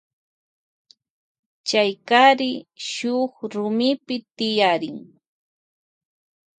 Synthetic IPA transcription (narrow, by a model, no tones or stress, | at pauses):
t͡ʃajkaɾɪʃʊχɾʊmɪpɪt̪ɪjaɾɪŋ